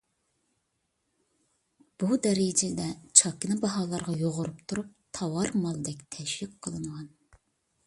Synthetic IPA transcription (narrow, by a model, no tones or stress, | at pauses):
b̥ud̪ɛɾed͡ʒɛd̪ɛt͡ʃʰɑkʲinɨbɑɦɑːlˠɑɾʁɑjoʁʊɾupt̪ʰuɾup̚t̪ʰɑwɑɾmɑlˠd̪ɛk̚ʲt̪ʰɛʃwɪkqʰːəlˠɨŋʁɑn